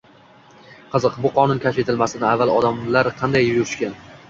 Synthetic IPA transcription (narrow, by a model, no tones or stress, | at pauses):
qʰɨzɨqbʊqʰɒnʊnkʲʰaʃe̞t̪ʰɪlmasɪnɪavːalˠɒd̪amlaɾqʰɑnd̪ajːʊɾɪʃkʲan